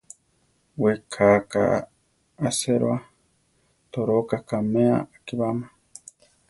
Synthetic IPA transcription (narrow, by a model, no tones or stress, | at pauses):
wekʰaka̰ː | seɾwa | t̪oɾokakamea̰kiβama